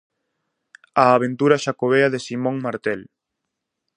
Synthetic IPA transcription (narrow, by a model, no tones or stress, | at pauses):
aːβ̞ent̪uɾɐʃakoβeɐðesimõŋmaɾt̪ɛl